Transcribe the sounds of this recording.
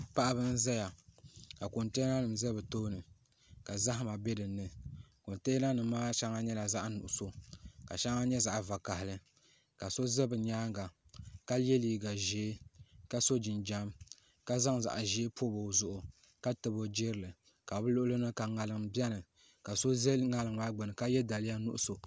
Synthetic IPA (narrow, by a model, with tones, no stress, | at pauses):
pa˦ʔa˨bɨ˦n˦za˦ja˨ka˨ko˨nteː˦na˦nɨ˨mzɛ˦bɨ˨to˦nɨ˨ | ka˨za˦ɦma˨bɛ˦dɨ˨nːɨ˨ko˨nteː˦na˦nɨ˨m˦maː˦ʃa˦ŋa˦ɲɛ˦la˨za˦ʔnʊ˨ʔʊ˨so˦ka̰˨ʃa˦ŋa˦ɲɛ˦za˨ʔva˨ka˨hɪ˨lɨ˦ | ka˨so˦zɛ˦bɨ˨ɲaː˦ŋɡa˨ka˦lɛ˦liː˨ɡa˨ʒeː˨˦ka˦so˦d͡ʒɪ˨nd͡ʒa˦m | ka˦za˦ŋza̰˨ʔʒe˦pʰo˦bo˨zʊ˦ʔʊ˨ | ka˦tɨ˨bo˦d͡ʒɪ˦ɾɨ˨lɨ˨ | ka˨bɨ˦lʊ˦ʔʊ˦lo˦nɨ˦ka˨ŋa˨lɨ˨ŋbɛ˦nɨ˨ | ka˨so˦zɛ˦ŋa˨lɨ˨ŋa˦ɡ͡bɨ˨nɨ˨ka˦jɛ˦da˨lɪ˦ja˦nʊ̰˦ʔʊ˦so˨